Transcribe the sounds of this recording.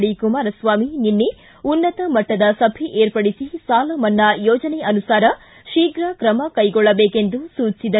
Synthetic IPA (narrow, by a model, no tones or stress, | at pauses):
ɽikumaːɾɐsʋaːmininːe | unːɐt̪ɐmɐʈːɐd̪ɐsɐbʱiʔeːɾpɐɽisisaːlɐmɐnːɐjɔːd͡ʒɐneɐnusaːɾɐ | ʃiːɡɾɐkɾɐmɐkɐjɡɔɭːɐbeːkend̪usuːt͡ʃːsid̪ɐ